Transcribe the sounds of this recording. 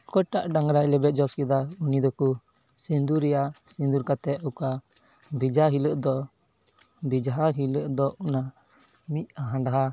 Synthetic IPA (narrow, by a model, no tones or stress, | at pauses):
kɔjʈaʔɖaŋɾajlɛbɛt̪̚ˀd͡ʒɔskɛd̪aunid̪ɔku | sind̪uɾɛjasĩnd̪uɾkat̪ɛɔka | bid͡ʒaɦiləʔd̪ɔ | bid͡ʒaɦaɦiləʔd̪ɔʔɔna | miʔ̪̚aɦãɳɖaɦa